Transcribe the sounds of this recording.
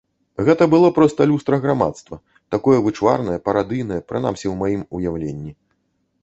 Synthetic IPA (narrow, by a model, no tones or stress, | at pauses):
ɣɛt̪ɐbɨlˠɔpɾɔst̪ɐlʲust̪ɾɐɣɾama̰t̪st̪vɐ | t̪akɔjɛvɨt͡ʂva̰rnɐjɐpɐɾad̪ɨjnɐjɐpɾɨna̰msʲɛwmajimujawlʲenʲːi